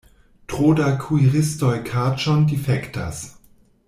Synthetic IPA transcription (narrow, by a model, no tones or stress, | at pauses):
tʁ̥oːdakʰuiʁɪstɔjkʰat͡ʃɔndifɛkta̰s